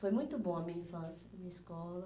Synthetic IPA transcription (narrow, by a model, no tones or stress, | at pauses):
fojmũj̃t̪ʊbõɐmĩɲɐfɐ̃zɪɐmĩɲɐɪskɔlɐ